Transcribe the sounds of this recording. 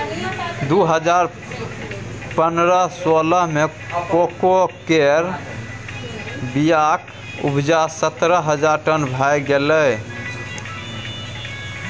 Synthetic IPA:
d̪uɦəd͡ʒaɾ | pənɾəsoləɦme | kokokeɾ | bijak | ṵbʱd͡ʒasət̪ɾəɦəd͡ʒaɾʈənbʱajɡelə

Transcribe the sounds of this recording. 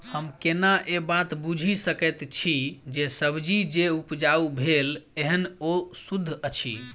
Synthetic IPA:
həmkenaʔebat̪bud͡ʒʱisəkɛt̪t͡ʃʰid͡ʒesəbd͡ʒid͡ʒeupd͡ʒaubʱeleɦənosud̪ʱːət͡ʃʰḭ

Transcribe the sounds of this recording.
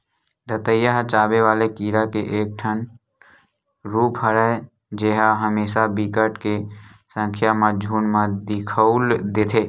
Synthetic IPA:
d̪ʱət̪əjaɦt͡ʃaːbeʋaːlekiːɾakeʔeːk̚ʈʰən | ɾuːpɦəɾə | d͡ʒeɦaɦəmeːʃabikəʈkesə̃ŋkʰjamãd͡ʒʱuːnmãd̪ɪkʰəʊld̪eːt̪ʰeː

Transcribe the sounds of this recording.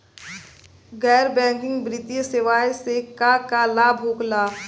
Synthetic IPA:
ɣɛːɾbɛ̃ːŋkɪ̃ŋɡbɾɪt̪ijseʋaːjsekakalaːbʱɦoːklaː

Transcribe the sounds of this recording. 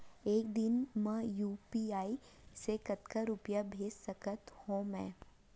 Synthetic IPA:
eːk̚d̪ɪnmɛ̃juːpiaːi | sekɐt̪kaɾʊpjabʱeːd͡ʒsɐkət̪hõːmɛ̃ː

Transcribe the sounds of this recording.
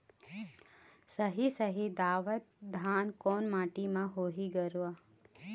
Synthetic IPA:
səɦisəɦid̪aːʋət̪̚d̪ʱaːnkoːnmaːʈimãɦoːɦiɡəɾuaː

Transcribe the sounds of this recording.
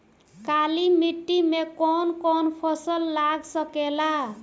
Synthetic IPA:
kalimiʈːimekɔnkɔnpʰʌsʌlːaɡsʌkela

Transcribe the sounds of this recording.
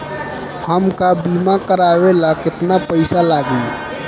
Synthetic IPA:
həmkabimãkəɾawelakɪt̪napəɪsalaɡi

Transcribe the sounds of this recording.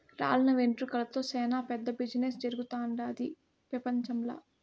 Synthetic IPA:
ɾa̰ːlɐnɐʋeɳʈɾukɐlɐt̪o̞ːsɛːnaːpɛd̪ːɐbid͡ʒinesd͡ʒɐɾuɡut̪aːɳɖaːd̪i | pɾɐpɐɲt͡ʃɐmla̰ː

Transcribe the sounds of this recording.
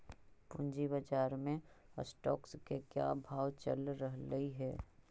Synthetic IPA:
pʊ̃nd͡ʒibəd͡ʒaːɾmẽə̰sʈɔːkskekja̰bʱaːwt͡ʃə̰lɾəɦləiɦɛː

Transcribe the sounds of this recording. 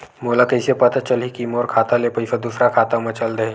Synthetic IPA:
moːlakɐɪsepɐt̪at͡ʃɐlɦikimoːɾkʰaːt̪alepəɪsɐd̪usɾakʰaːt̪amɐ̃t͡ʃɐld̪ɐɦẽ

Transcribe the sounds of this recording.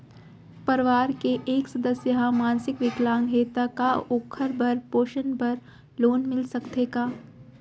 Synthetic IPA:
pɐɾʋaːɾkeʔeːksɐd̪əsjəɦãmãːnsɪkʋɪklãːŋɡɦeːt̪akaoːkʰəɾbɐɾpoːʃənbɐɾ | loːnmɪlsɐkt̪eːɡaː

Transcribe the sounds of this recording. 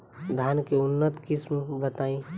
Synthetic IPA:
d̪ʱankeʊnːət̪kɪsmbət̪aːĩ

